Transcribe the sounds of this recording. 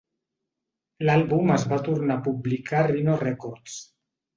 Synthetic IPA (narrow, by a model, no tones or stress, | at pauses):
lalβuməzβat̪uɾnapublikarinosrekɔɾs